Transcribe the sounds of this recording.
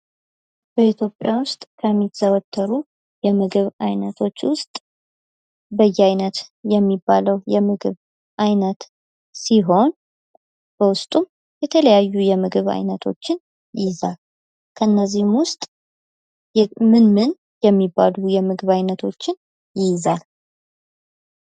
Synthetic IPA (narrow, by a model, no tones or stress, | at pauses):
b̥əit̪ʰjo̞pʼjawʊst̪ʼkʰəmːiɡzəwət̪ʰːəɾu | jɛmɨɡɨβajnət̪ʰo̞t͡ʃːwʊst̪ʼ | bəjːɛajnət̪jɛmːibːaləwjɛmɨɡɨβ | ʔajnət̪ | siɦo̞n | b̥əwʊst̪ʼum | jɛt̪ʰələjajːujɛmɨɡɨβa̰jnət̪ʰo̞̰t͡ʃːɪn | jɪzal | kʰəɨnːəzːihmwʊst̪ʼ | mɨnmɨn | jɛmːibːalujɛmɨɡɨβajnət̪ʰo̞t͡ʃːɪn | jɪjzal